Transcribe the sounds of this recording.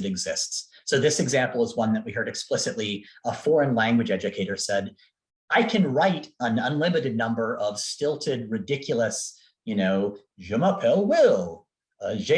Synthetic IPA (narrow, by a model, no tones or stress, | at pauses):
ɨɾɨɡzɪstsː | oʊðɪsɨɡzæ̃mpl̩ˠʌzwʌ̃nðɨʔ̚wiɦɜ˞ɾɨksplɪsɨtˡliəfɔɹɨ̃nlæ̃ŋɡwɨd͡ʒɛd͡ʒɨkʰeɪɾə˞sɛd | aɪkʰɨ̃nɹaɪɾə̃nʌ̃nlɪ̃mɨɾɨdⁿnʌ̃mbə˞ʔʌv̥stɪlˠtʰɪd̚ɹɨdɪkʰjl̩ˠəs | jɨnoʊ | ʒʉməpʰɛlˠwɪlˠ | ʌʒe